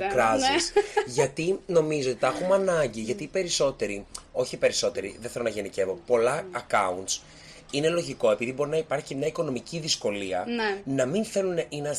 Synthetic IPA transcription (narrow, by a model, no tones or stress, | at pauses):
kɾɐzisʝɐt̪ino̞mizot̪i̥t̪ɐxumɐnɐɲɟiʝɐt̪ipe̞ɾiso̞t̪e̞ɾio̞çipe̞ɾiso̞t̪e̞ɾḭðeθe̞lo̞nɐʝenice̞vo̞po̞lɐːkɐ̰unt̪s | ine̞lo̞ʝiko̞e̞piðibo̞ɾinɐipɐɾçiimɲɐiko̞no̞miciðisko̞liɐnɐminθe̞luninɐ